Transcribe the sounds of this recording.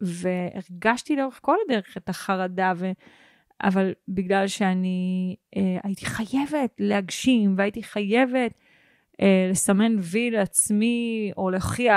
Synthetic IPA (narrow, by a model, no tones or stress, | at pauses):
ve̞eʁɡaʃtiloʁeχko̞lad̪eʁeχetaχaʁadave | ʔa̰valbiɡlalʃeaniʔea̰jiti̥χaje̞ve̞tlehaɡʃimveaitiχaje̞ve̞t | ele̞same̞nvileat͡smio̞leoχia